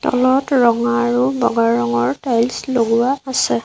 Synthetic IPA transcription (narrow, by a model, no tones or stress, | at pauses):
tɔ̰lɔtɹɔŋaɹʊbɔ̰ɡaɹɔŋɔɹtajlsloɡʊaasɛ